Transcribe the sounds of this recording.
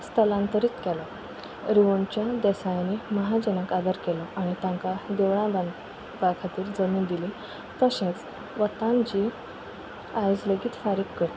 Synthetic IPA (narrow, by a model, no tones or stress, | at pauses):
st̪ʰəlãnt̪əɾiːt̪kɛlɔ | ɾiʋəɳt͡ɕjad̪ɛsajaniməɦad͡ʑənəkad̪əɾkɛlɔʔaɽ̃it̪ãŋkad̪eʋɭãba | bakʰat̪iːɾd͡zəmiːnd̪ili | t̪əɕẽt͡s | ʋət̪ãnd͡ʑi | ajd͡zləɡiːt̪faɾiːkːəɽi